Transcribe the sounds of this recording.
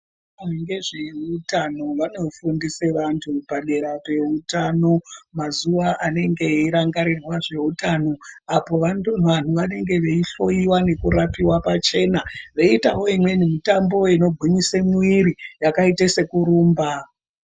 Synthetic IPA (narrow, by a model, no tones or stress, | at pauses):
aneŋɡe̞ʐeutano̞ʋanofundiseʋantʰupaɗe̞ɾape̞utano̞mazuʋaʔane̞ŋɡe̞iɾaŋɡaɾirwaʐe̞utano̞apo̞ʋannʋan̤uʋane̞ŋɡe̞ʋe̞iɬo̞iwane̞kuɾapiwapat͡ʃe̞naʋeitawo̞imwe̞nimitambo̞eno̞ɡʱiɲisemuiɾijakaitese̞kuɾuːmba